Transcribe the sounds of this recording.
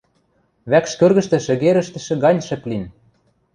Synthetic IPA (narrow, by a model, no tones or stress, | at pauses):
βækʃkørɣɘ̆ʃt̪ɘ̆ʃɘ̆ɣeɾə̆ʃt̪ɘ̆ʃɘ̆ɣɑnʲʃɘ̆plin